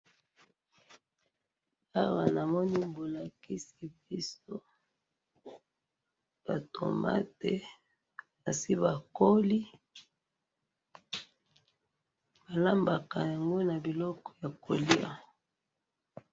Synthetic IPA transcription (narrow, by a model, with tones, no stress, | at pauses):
a˦wa˨na˨mɔ˦ni˦mbo˨la˨ki˦si˨bi˦so˦ | b̥a˨to̰˨ma̰˦te˨ | na˨si˦βa˨ko˦li˦ | ba˨la˦mba˨ka˨ja˨ŋɡo˦na˨bi˨lɔ˦kɔ̥˨ja˨kʰo˨li˦a̰˨